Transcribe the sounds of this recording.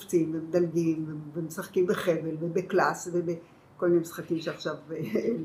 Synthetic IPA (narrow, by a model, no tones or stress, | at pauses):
ft͡simvemed̪alɡimvevemesaχkimbeχevelvebeklasvebe | kolminemisχakimʃeaχʃave